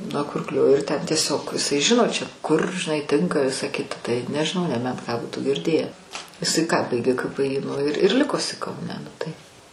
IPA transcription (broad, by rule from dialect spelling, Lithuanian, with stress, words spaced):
nuɔ ˈkʊrklʲoː ɪr ˈtʲɛn tʲiɛˈsʲoːk ɪˈsɐɪ ˈʒʲɪnoː t͡ʃʲɛ kʊr ʒʲɪˈnɐɪ ˈtʲɪŋkɐ ˈʋʲɪsɐ ˈkʲɪtɐ tɐɪ nʲɛʒʲɪˈnɐʊ nʲɛˈbʲɛnt kɑː ˈbuːtuː ɡʲɪrʲˈdʲeːjæː ɪˈsɐɪ kɑː ˈbɐɪɡʲeː kɐ pɘ iː nʊ ɪr ɪr ˈlʲɪkoː ɪˈsɐɪ kɐʊˈnʲɛ nʊ tɐɪ